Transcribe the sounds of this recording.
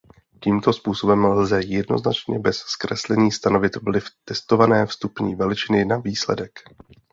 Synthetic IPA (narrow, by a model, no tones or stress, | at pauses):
ciːmt̪o̞spuːso̞bɛmllzɛjɛdno̞̰znat͡ʃɲɛbɛsskɾɛslɛɲiːst̪ano̞vɪt̪vlɪft̪ɛst̪o̞vanɛːfst̪upɲiːvɛlɪt͡ʃɪnɪnaviːslɛ̰dɛk